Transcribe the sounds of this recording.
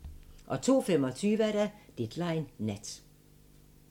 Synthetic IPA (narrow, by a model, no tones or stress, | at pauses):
ʔɒ̽t͡sʰo̝̰ːfemɒ̽t͡sʰyːʋəæɐɾæd̥ed̥lɑ̈ɪnːæd̥